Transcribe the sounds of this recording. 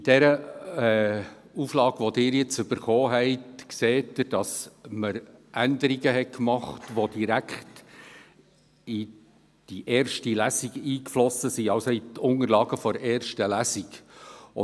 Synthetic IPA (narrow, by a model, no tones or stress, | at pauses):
id̥ɛɾəɛ | uflɑːɡ̥ʋɔd̥ɪːɾjɪt͡sʏb̥əɾχɔːɦɛɪtkseːtəd̥ɑsməɾʔændəɾiɡəɦɛt̚kmɑχtʋod̥iɾækχt | i | d̥iʔɛːɾʃtilæsiɡiːkflɔsːəsiɑwsɔitʰʊŋəɾlɑːɡəfɔɾɛːɾʃtəlæsiɡʊ